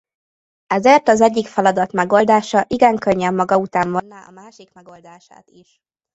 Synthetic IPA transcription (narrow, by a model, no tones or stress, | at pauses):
ɛzeːrt̪ɒzɛɟːikfɛlɒd̪ɒt̪mɛɡo̞ld̪aːʃɒʔiɡɛŋkøɲːɛmːɒɡɒut̪aːɱvɒnːaːɒ̰maːʃikmɛɡo̞ld̪aːʃa̰ːt̪iʃ